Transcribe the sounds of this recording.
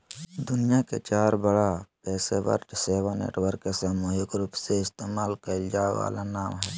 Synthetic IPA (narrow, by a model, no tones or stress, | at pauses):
d̪ʊnijakḛt͡ʃaːɾbəɽapɛːsḛʋə̰ɾʈseːʋənḛːʈwəɾkesəmojʊkɾuːpseɪst̪eːmaːlkaɪld͡ʒaːʋa̰ːlanaːmɦɛː